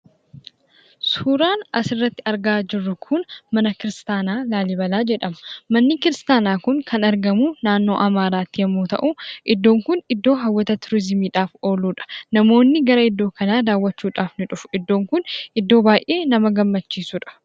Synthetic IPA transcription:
suːɾaːnɐsɪrːɐt̪ːɪ̥ɐɾɡaːd͡ʒɪrːʊkʰʊnmɐnɐkɪɾɪst̪aːnaːlaːlɪbɐlaːd͡ʒɛᶑɐmɐ̥mɐnːɪkɪɾɪst̪aːnaːkʊŋkʰɐnɐɾɡɐmunaːnːo̞ːʔɐmaːɾaːt̪ːɪjɛmːuːt̪ɐ̰ʔuʔɪd̪ːo̞ːŋkʊnɪd̪ːo̞ːɦɐwːɐt̪ɐt̪ʊɾɪzɪmiːᶑaːfo̞ːluːᶑɐ̥nɐmo̞ːnːɪɡɐɾɐɪd̪ːo̞ːkɐnaːd̪aːwːɐt͡ʃːuːᶑaːfnɪᶑʊfʊ̥ɪd̪ːo̞ːŋkʊnʔɪd̪ːo̞ːbaːjʔe̞ːnɐmɐɡɐmːɐt͡ʃːiːsuᶑɐ̥

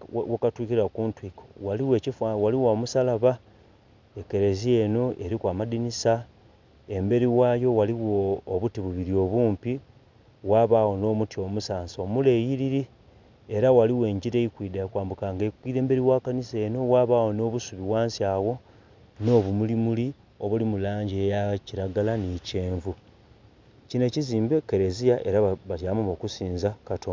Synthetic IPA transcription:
wakatwikiɾakuːntwiko̥waliwe̞ːcifawaliwaːmusalaβa | eke̞ɾe̞zie̞no̞ʔeɾikwaːmadinisa | e̞mbe̞ɾiwaːjo̞waliwoːβutiβuβiɾio̞βuːmpi | waβaːɣo̞no̞ːmutio̞musaːnsomulejiɾiɾi | e̞ɾawaliwe̞ːɲɟiɾeikwiːdakwaːmbukaːŋɡeikwiːɾe̞ːmbe̞ɾiwaːkanise̞ːno̞waːβaːwo̞no̞ːβusuβiwaːnsjaːwo̞ | no̞ːβumulimuli | o̞βulimulaːɲɟejaciɾaɡalanice̞ːɱvu | cine̞ciziːmbeke̞ɾezijaʔe̞ɾaβatjaːmuβo̞kusiːnzakatʰon

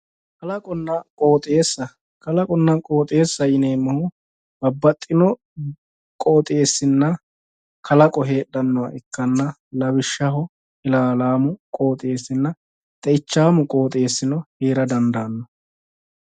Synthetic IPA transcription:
kɐlɐkʼɔnːɐkʼo̞ːt̪ʼe̞ːsːɐ | kɐlɐkʼɔnːɐkʼo̞ːt̪ʼe̞ːsːɐjɪneːmːɐhʊ | bɐbːɐt̪ʼːɪnɔ | kʼo̞ːt̪ʼe̞ːsːɪnːɐ | kʰɐlɐkʼɔɦe̞ːɗɐnːɔwɐ̰ʔɛkːɐnːɐ | lɐbɪʃːɐɦɔ | ɪlaːlaːmʊkʼo̞ːt̪ʼe̞ːsːɪnːɐ | t̪ʼɛɪt͡ʃːaːmʊkʼo̞ːt̪ʼe̞ːsːɪnɔheːɾɐd̪ɐnd̪aːnːɔ

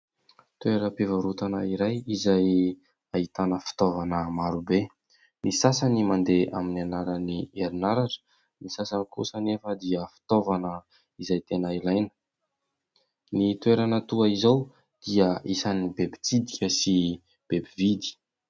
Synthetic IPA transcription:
t̪weɾəpivaɾut̪anaiɾajizaj | ait̪anəfi̥t̪ovanəmaɾube | nisasanimand̪ea̰minanaɾənieɾinaɾaʈ͡ʂə̥ | nisasanikṵsanefəd̪iəfi̥t̪ovanə | izajt̪enailajnə̥ | nit̪weɾanat̪uaizaw | d̪̥iaisanibebi̥t͡sid̪ikʲəsi | b̥ebivid̪i̥

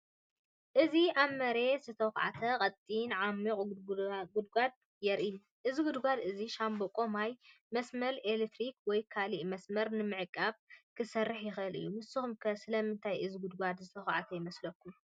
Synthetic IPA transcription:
ʔɨziʔaβmɐɾe̞zɨt̪ʰɐwxʕa̰t̪ʰɐqʼɐt̪ʼːinʕamːikʼɡud̪ɡʷad̪̚ | jɛɾʔiju | ʔɨziɡud̪ɡʷad̪ɨziʃambokʼomaj | mɐsmɐlelet̪ʰɾikwɔjkʰaliʔmɐsmɐɾnɨmɨʕɨkʼːaβkʰɨsɐrːɨħjɪxɨlʔɨ̰jːumɨsɨxumkʰɐsɨlɐmɨnt̪ʰajɨziɡud̪ɡʷad̪zɨt̪ʰɐxʕa̰t̪ʰɐjɪmɐslɐkːum

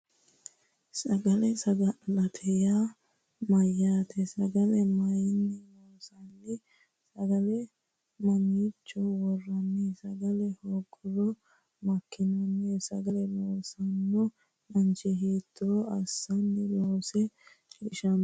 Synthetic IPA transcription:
sɐɡɐlɛsɐɡɐlɐt̪ʰɛja | mɐjːaːt̪ʰɛsɐɡɐlɛmɐjɪnːɛloːsɐnːɪ | sɐɡɐlɛ | mɐniːt͡ʃːɔwɔrːɐnːɛsɐɡɐlɛhoːkʼːɔɾɔ | mɐkːɪnɐnːɛsɐɡɐlɛloːsɐnːɔ | mɐnt͡ʃɛɦiːt̪ʰːɔɐsːɐnːɪloːsɛ | iʃɐn

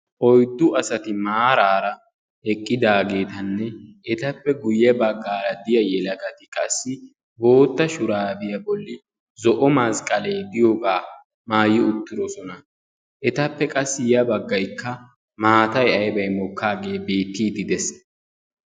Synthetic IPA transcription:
ʔɔjd̪ːʊʔɐsɐt̪ɪmaːɾaːɾɐ | ɛkʼːɪd̪aːɡe̞ːt̪ɐnːɛɛt̪ɐpːɛɡʊjːɛbɐɡːaːɾɐd̪ɪjɐjɛlɐkɐt̪ɪkʼɐsːɪ | bo̞ːt̪ːɐʃʊɾaːbɪjɐbɔlːɪ | zɔʔɔmɐskʼːɐleːd̪ɪjoɡaː | maːjːɪʊt̪ːɪɾɔsɔnɐ | ʔɛt̪ɐpːɛkʼɐsːɪjɐbɐɡːɐjkːɐ | maːt̪ɐjɐjbɐjmɔkːaːɡe̞ːbeːt̪ːiːd̪ɪd̪ɛs

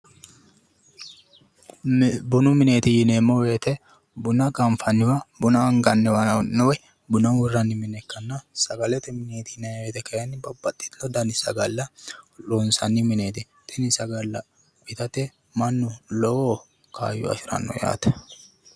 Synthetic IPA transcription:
bʊnʊmɪneːt̪ɪjɪneːmːɔweːt̪ɛ | bʊnɐkʼɐɱfɐnːɪwɐbʊnɐːŋɡɐnːɛwɐnːɔwj | bʊnɐwʊrːɐnːɪmɪnɛkːɐnːɐsɐɡɐlɛt̪ɛmɪneːt̪ɪnɛweːt̪ɛkɐjɐnːɪbɐbɐt̪ʼːɪ̥t̪lɔd̪ɐnɪsɐɡɐlːɐlɔnsɐnːɪmɪneːt̪ɪ | t̪ʼɛnɪsɐɡɐlːɐ | bɪt̪ɐt̪ɛ | mɐnːʊlɔwo | kʰa̰ːjʊ̰ɐ̰ʃɪɾɐ̰nːɔ̰ja̰ːt̪ɛ̥

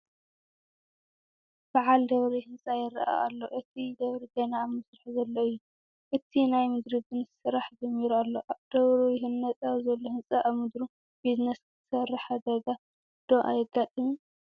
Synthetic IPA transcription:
b̥aʕald̪ɐβɾihɨnsʼajɪɾɐ̰ʔa̰ːlːoʔɨt̪ʰid̪ɐβɾizenamɨsɾaħzɐlːɐɨjːu | ʔɨt̪ʰinajmɨd̪ɾib̪ɨnssɨɾaħd͡ʒɐmːiɾualːoʔad̪̥ɐβɾujɪɦɨnːɐt̪ʼazɐlːohɨnsʼaʔaβmɨd̪ɾu | biznɐsk̪ʰɨ̥sɐrːaħad̪ɐɡa | d̪̥oʔa̰jɪɡːat̪ʼɨmu

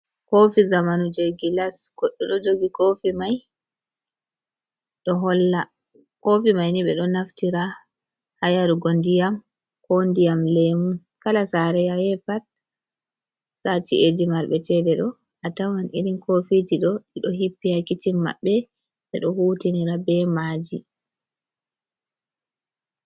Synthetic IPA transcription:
kofizamanud͡ʒoɡilasɡɔɗːɔɗɔd͡ʒoɡikofimaj | ɗɔɦɔlːa | kofimajniɓɛɗɔnaftiɾa | hajaɾuɡondijam | kondijamlemun | kalasaɾɛjajɛpat̚ | sat͡ʃied͡ʒimaɾɓɛtɛdɛɗɔ | ʔatawanʔininkʰofitiɗɔiɗɔhipːiakitimːa̰ɓːɛ | ɓɛɗɔhuːtiniɾabɛmad͡ʒi

